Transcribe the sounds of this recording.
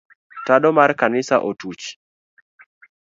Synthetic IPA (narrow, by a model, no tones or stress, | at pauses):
tadɔmarkanɪsa̰ʔotut͡ʃ